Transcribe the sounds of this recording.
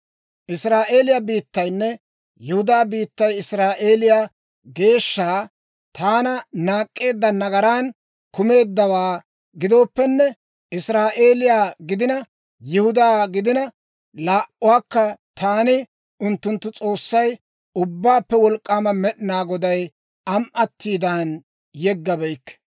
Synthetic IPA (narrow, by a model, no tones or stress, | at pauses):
ʔɪsɾaːʔe̞ːlɪjabiːt̪ːɐjnːɛ | jɪhʊd̪aːbiːt̪ːɐjɪsɾaːʔe̞ːlɪja | ɡe̞ːʃːaː | t̪aːnɐnaːkʼːe̞ːd̪ːɐnɐɡɐɾaːn | kʊme̞ːd̪ːɐwaː | ɡɪd̪o̞ːpːɛnːɛ | ɪsɾaːʔe̞ːlɪjaːɡɪd̪ɪnɐ | jɪhʊd̪aːɡɪd̪ɪnɐ | laːʔʊwaːkːɐt̪ʰaːnɪ | ʊnt̪ːʊnt̪ːʊt͡sʼo̞ːsːɐj | ʊbːaːpːɛwɔlkʼːaːmɐmɛɗɪnaːɡɔd̪ɐj | ɐmʔɐt̪ːiːd̪aːn | jɛɡːɐbɛjkːɛ̥